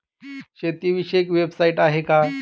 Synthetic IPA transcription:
ɕet̪iʋiɕekʋebsaiʈaɦeka

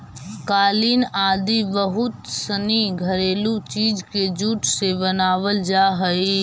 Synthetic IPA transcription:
kaːliːnaːd̪ibəɦʊt̪səniɡʱəɾeːlũt͡ʃiːd͡ʒked͡ʒuːʈʰsebənaːʋəld͡ʒaːɦəi

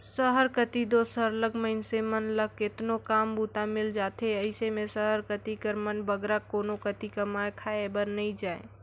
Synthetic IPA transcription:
səɦəɾkət̪id̪osɦəɾləɡʱməɪnsemənləkːɪt̪nokaːmbuːt̪amɪld͡ʒaːt̪eəɪsemẽsəɦəɾkət̪ikəɾmənbəɡɾakoːnokət̪ikəmaekʰaebəɾnəĩd͡ʒaːḛ

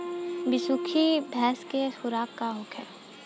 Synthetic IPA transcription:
bɪsukʰibʱɛːskexʊɾaːkːaɦʊkʰɛ̰

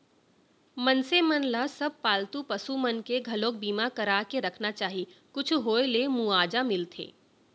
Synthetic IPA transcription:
mɐnsemɐnlasɐb̚paːlt̪upɐsumɐnkeɡʱɐlõːk̚biːmakɐɾaːkeɾɐkʰnat͡ʃaːɦikʊt͡ʃʰɦoːelemuaːd͡ʒamɪlt̪ʰḛː

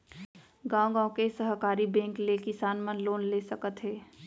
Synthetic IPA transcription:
ɡãʊ̃ɡãõkesəɦkaːɾibɛ̃ːŋklekɪsaːnmə̃nloːnlesəkət̪ɦeː

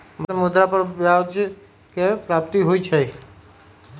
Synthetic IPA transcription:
bəmud̪ɾapəɾbjad͡ʒ | kepɾap̚t̪iɦoit͡ʃʰəi

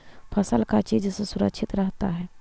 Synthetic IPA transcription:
pʰəsəlkat͡ʃiːd͡ʒsesʊɾəkʃʰɪt̪ɾəɦt̪aɦɛː

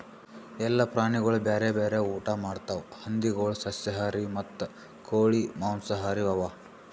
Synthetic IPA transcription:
ɛlːɐpɾaːɳiɡɐɭubeːɾebeːɾeuːʈamaːɖt̪aʋhɐnd̪iɡoːɭusɐsjɐɦaːɾimɐt̪ːu | koːɭimaːnsɐɦaːɾiʋɐʋaː

